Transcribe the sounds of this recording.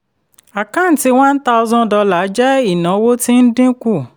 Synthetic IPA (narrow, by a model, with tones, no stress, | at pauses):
a˨kã˦˨n̩˨ti˧w̃ã˦n̩˦ta˧u˧zɔ̃˦˨dɔ˧la˨˦d͡ʒɛ˦i˦˨nã˨˦wo˦ti˦n̩˦dĩ˦ku˦˨